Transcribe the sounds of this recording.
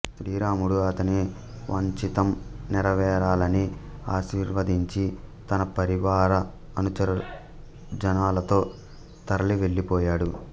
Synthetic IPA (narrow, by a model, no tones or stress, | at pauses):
sɾiːɾaːmuɽuɐt̪ɐne | ʋɐɲt͡ʃit̪ɐmnɪɾɐʋɛːɾaːlɐniaːʃiːɾʋɐd̪iɲt͡ʃit̪ɐnɐpɐɾiʋaːɾɐː | nut͡ʃɐɾɐ | d͡ʒɐnaːlɐt̪o̞ː | t̪ɐɾɐliʋe̞ɭːipɔːjaːɽu